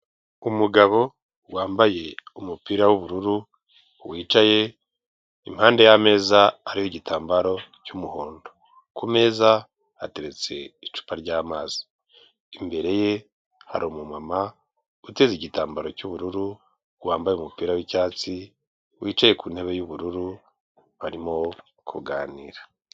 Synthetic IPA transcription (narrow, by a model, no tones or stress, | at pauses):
umuɡaβo̞ | waːmbaje̞umupiːɾawuβuɾuɾu | wiːt͡ʃaje̞ | im̥haːnde̞jame̞ːzaːɾihoɟitaːmbaɾo̞cumuho̞ːndo | kume̞ːza | ate̞ɾe̞t͡se̞it͡ʃu̥paɾɟaːmaːzi̥ | imbe̞ɾe̞je̞ | ha̰ɾomumama | ute̞ziɟitaːmbaɾo̞cuβuɾuɾu | waːmbajeumupiːɾawicaːt͡si | wʔiːt͡ʃaje̞kuːnhe̞βe̞juβuɾuɾu | βaɾimo̞ | kʰuɡaːnḭɾa